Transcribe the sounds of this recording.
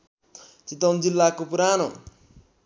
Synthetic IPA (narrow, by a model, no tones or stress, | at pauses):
t͡ʃit̪ond͡zilːakopuɾano